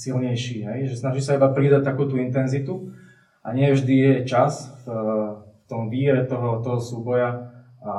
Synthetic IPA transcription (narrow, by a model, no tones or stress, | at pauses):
silɲɛjʃiːɦɛjʒɛsnaʒisaibapɾid̪ac̚t̪akuːt̪uint̪ɛnzit̪u | ʔa̰ɲɪɛvʒd̪ijɛt͡ʃasf | ft̪ɔmʋiːɾɛt̪ɔɦɔt̪ɔɦɔsuːbɔja | a